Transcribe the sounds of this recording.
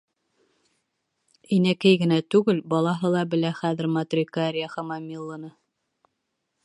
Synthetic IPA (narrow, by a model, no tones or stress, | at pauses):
inækæjɡɘ̆næt̪ʉɡɘlbɑlˠɑɦɤlˠɑbɘ̆læχæðɘ̆ɾmɑt̪rʲikaɾʲɪjaχɑmɑmʲilˠːɤ̆nɤ